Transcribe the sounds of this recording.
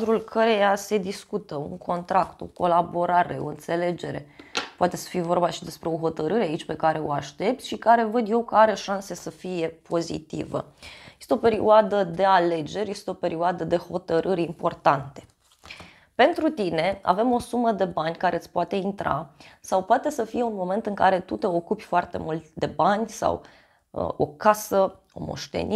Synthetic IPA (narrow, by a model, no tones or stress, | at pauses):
d̪ɾulkʰəɾe̞jase̞d̪iskut̪əṵŋkʰo̞nt̪ɾakt̪o̞̰ko̞labo̞ɾaɾe̞o̞ɨnt̪se̞le̞d͡ʒe̞ɾe̞poat̪e̞sə̥fijevo̞rbaʃid̪e̞spɾe̞o̞ɦo̞t̪əɾɨɾeait͡ʃʲpe̞kaɾe̞o̰aʃt̪e̞p̚t̪ʃikaɾe̞vəd̪je̞wkəaɾe̞ʃanse̞səfije̞pʰo̞zḭt̪ḭvə̰jest̪eo̞pe̞ɾiuad̪əd̪e̞ale̞d͡ʒe̞ɾʲje̞st̪eo̞pe̞ɾiuad̪əd̪e̞ho̞t̪əɾʔɨɾʲimpo̞rt̪ant̪e̞̥ | pe̞nt̪ɾut̪ine̞a̰ve̞mo̞suməd̪e̞banʲkaɾe̞ɨt̪sʲpoat̪e̞int̪ɾa̰sawpoat̪e̞səfije̞unmo̞me̞nt̪ɨŋkaɾe̞t̪ut̪e̞o̞kupʲfoart̪e̞̰mult̪d̪e̞banʲsa̰w̰ | o̞̰kasə | o̞̰mo̞̰ʃt̪ḛnʔi